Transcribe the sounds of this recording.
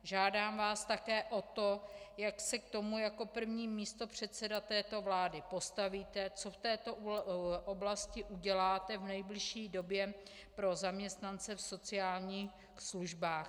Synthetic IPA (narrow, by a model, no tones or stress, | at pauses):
ʒaːdaːmvaːst̪akɛːʔot̪o̞jaksɛk̚t̪o̞mujako̞pr̩vɲiːmiːst̪o̞pr̝̥ɛt̪sɛdat̪ɛːt̪o̞vlaːdɪpo̞st̪aviːt̪ɛt͡so̞ft̪ɛːt̪o̞ʔoblascɪʔuɟɛlaːt̪ɛvnɛjblɪʃiːdo̞bjɛ | pɾo̞zamɲɛst̪nant͡sɛfso̞t͡sɪaːlɲiːx | sluʒbaːx